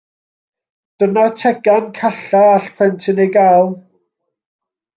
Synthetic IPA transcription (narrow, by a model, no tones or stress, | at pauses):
d̥ənatʰɛɡankʰaɬaaɬpʰrɛntʰɪnejɡaːlˠ